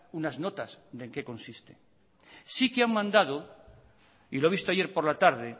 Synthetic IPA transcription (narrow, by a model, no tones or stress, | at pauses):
unazno̞t̪asd̪e̞ŋke̞ko̞nsist̪e | sikeaŋmãnd̪aðo | iloeβ̞ist̪oaje̞ɾpo̞ɾlat̪aɾðe̞